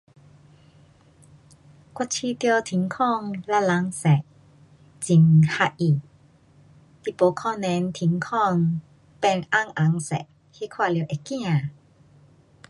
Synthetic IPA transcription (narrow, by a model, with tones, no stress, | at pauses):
kʷwa˧t͡ɕʰi˧t̪jɔ˧t̪ʰi˨˦ŋkʰɔ˥˧˨ŋla˧la˨˧˦ŋsɛ˨˩ʔ | t͡ɕi˨˩ŋha˧ʔi˨˩ | t̪i˧˨po˨˧˦kʰɔ˥˧nɛ˧˦nt̪ʰi˨˦ŋkʰɔ˥˧ŋ | pɛ˧nʔa˧˨ŋʔa˨˦ŋsɛ̰˨ʔ | he˦˥kʰwa˥˧li˧˨˦ʔe˨kːĩ˥˧ã˨